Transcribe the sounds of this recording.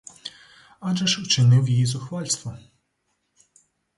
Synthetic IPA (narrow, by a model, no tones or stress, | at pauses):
ad͡ʒɛʃʊt͡ʃɪnɪwjijizʊxʋalʲst̪ʋɔ